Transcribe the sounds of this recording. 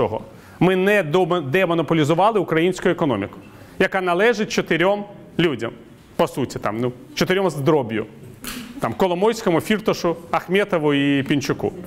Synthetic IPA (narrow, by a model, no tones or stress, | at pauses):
ɔɦɔ̰ | mɪnɛd̪ɛmɔnɔpɔlʲizʊʋɑlˠɪʊkɾɐjinʲsʲkʊjʊɛkɔnɔmʲɪkʊ̥ | jɐkanɐlˠɛʒɪt̚ʲt͡ʃɔt̪ɪɾʲɔm | lʲudʲɐm | pɔsutʲit̪ɑ̰mnu | t͡ʃɔt̪eɾʲɔmzd̪ɾɔbʲjʊ̰ | t̪ɑmkɔlˠɔmɔjsʲkɔmʊfʲirt̪ɔʃʊɐxmʲɛt̪ɔʋʊipʲint͡ʃʊkṵ